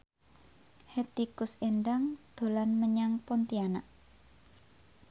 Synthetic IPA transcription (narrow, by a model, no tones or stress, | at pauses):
het̪ikʊsenɖaŋd̪̥o̤lanməɲaŋpɔnt̪ianaʔ